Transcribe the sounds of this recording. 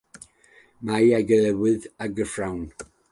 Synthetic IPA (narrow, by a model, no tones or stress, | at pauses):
majaɡəɛwɨðaɡəfrawn